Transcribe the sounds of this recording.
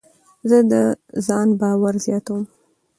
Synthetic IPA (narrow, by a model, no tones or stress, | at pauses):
zəd̪əzɑnbɑwaɾzjɑt̪awəm